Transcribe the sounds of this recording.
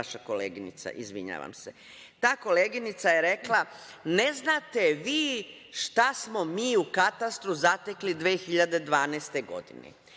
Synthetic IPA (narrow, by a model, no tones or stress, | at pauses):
aʃako̞lḛːɡinḭt̪sa̰ʔizʋḭɲa̰ːʋa̰mse | t̪aːko̞leːɡinit̪sajeɾe̞kla | ne̞znat̪e̞ʋiː | ʃt̪asmo̞miːukat̪ast̪ɾuzat̪eklid̪ʋeːxiʎad̪e̞d̪ʋaːnɛːst̪e̞ɡo̞̰d̪ḭnḛ